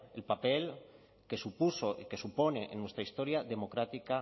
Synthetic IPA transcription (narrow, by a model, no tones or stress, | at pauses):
elpapel | kesupusoʔikesuponeʔenːwest̪ɾaist̪oɾjaðemokɾat̪ika